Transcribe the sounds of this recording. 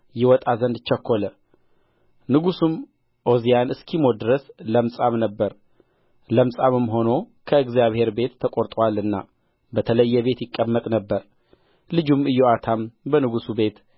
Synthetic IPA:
jɛwɔt̪ʼazənd̪t͡ʃːəkʰːo̞lə | nɨɡusum | ʔo̞zijanɨskʰimo̞d̪ɨɾəsləmsʼamnəbːəɾ | ləmsʼamɨmɦo̞no̞kʰəɨɡzijaβhe̞ɾbe̞t̪ʰːəkʼoɾt̪ʼəwalɨnːa̰ | bət̪ʰələjːɛβe̞t̪jɪkʼːəmːət̪ʼnəbːəɾ | lɨd͡ʒumɨjːoat̪ʰambənɨɡusube̞t̪

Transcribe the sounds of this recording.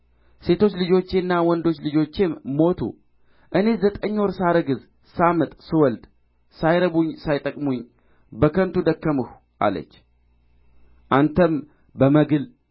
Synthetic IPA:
se̞t̪ʰo̞t͡ʃːlɨd͡ʒo̞t͡ʃːenːawɔnd̪o̞t͡ʃːlɨd͡ʒo̞t͡ʃːemːo̞t̪ʰṵ | ʔɨne̞zət̪ʼəɲːoɾsaɾəɡɨz | samɨt̪ʼsɨwɔld̪ | sajɾəbuɲːsajt̪ʼəkʼmuɲ | bəkʰənt̪ud̪əkːəmɨh | ʔa̰lə̰t͡ʃː | ʔant̪ʰəm | bəməɡɨl

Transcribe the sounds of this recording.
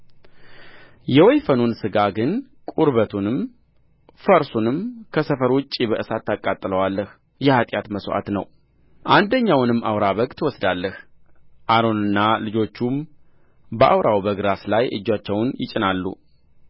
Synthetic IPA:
jɛwɔjfənunsɨɡaɡɨn | kʼuɾβət̪ʰunɨm | fəɾsunɨmkʰəsəfəɾwʊt͡ʃʼːibəʔɨsat̪ːakʼːat̪ʼːɨləwalːəh | jɛhat̪ʼjat̪məsʔa̰t̪nə̰w | ʔand̪əɲːawnɨmːʔa̰wɾaβəkʼt̪ʰwɔsd̪alːəh | ʔaɾo̞nɨnːalɨd͡ʒo̞t͡ʃːum | bəʔa̰wɾʔawbəɡɾaslajʔɨ̰d͡ʒːat͡ʃːɛwnjɪ̰t͡ʃʼːɪnalːṵ

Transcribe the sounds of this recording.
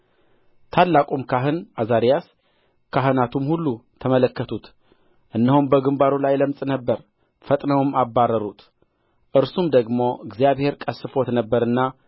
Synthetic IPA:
t̪ʰalːakʼumkʰaɦɨnazaɾijas | kʰaɦɨnat̪ʰumhulːut̪ʰəmələkːət̪ʰut̪ | ʔɨnːəhumbəɡɨmbaɾulajləmsʼnəbːəɾ | fət̪ʼnəwmabːarːəɾut̪ | ʔɨɾsumd̪əɡmo̞ʔɨɡzijaβhe̞ɾkʼəsːɨfot̪nəbːəɾɨnːa

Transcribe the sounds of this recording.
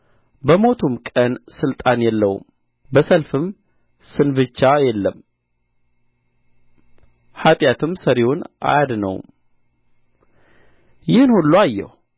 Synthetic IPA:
bəmo̞t̪ʰumkʼənsɨlt̪ʼanjɛlːə̰wṵm | bəsəlfɨm | sɨnbɨt͡ʃːajɛlːəm | hat̪ʼjat̪ʰɨmsəɾewonʔa̰jad̪nə̰wm | jɪhɨnhulːuajːɛ̰h

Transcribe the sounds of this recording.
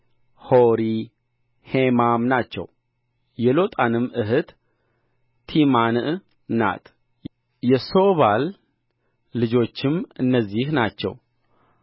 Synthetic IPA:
hoɾi | hemamnat͡ʃːɛ̰w | jɛlo̞t̪ʼanɨmɨɦɨt̪ | imanʔ | na̰t̪ | jɛso̞βalː | ɨd͡ʒo̞t͡ʃːɪmɨnːəzːihnat͡ʃːɛ̰w

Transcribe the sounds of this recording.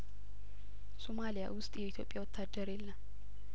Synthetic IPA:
somalija̰wʊst̪ʼjɛɪt̪ʰjo̞pʼɪjawɔt̪ʰːad̪ːəɾelːɐ

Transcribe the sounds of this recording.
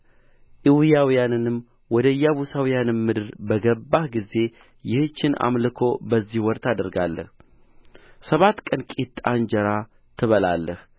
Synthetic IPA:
ʔiwjawijanɨnɨm | wɔd̪əjːaβusawjanɨnmɨd̪ɨɾbəɡəbːahɡize̞ | jɪht͡ʃːɪnʔa̰mlɨkʰo̞bəzːihwɔɾt̪ʰad̪əɾɡalːə̰h | səβat̪kʼənkʼit̪ʼːand͡ʒəɾa | t̪ʰɨβəlalːəh

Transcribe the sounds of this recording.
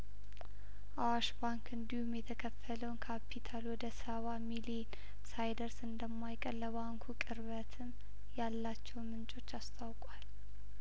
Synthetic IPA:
ʔawaʃbaŋkɨnd̪ihumjɛt̪ʰəkʰəfːələwnkʰapʰːit̪ʰalwɔd̪əsəβamilien | sajd̪əɾsɨnd̪əmːajkʼəlːəβaŋkʰukʼɨɾβət̪ʰɨm | jalːat͡ʃːɛwnmɨnt͡ʃʼo̞t͡ʃːast̪ʰawkʼwal

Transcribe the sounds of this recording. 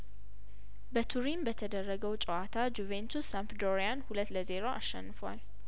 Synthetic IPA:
bət̪ʰuɾimbət̪ʰəd̪ərːəɡəwt͡ʃʼɛwat̪ʰad͡ʒuvent̪ʰusːampd̪oɾianhulət̪ːləze̞ɾoʔa̰ʃːɛ̰nːɨfwa̰l

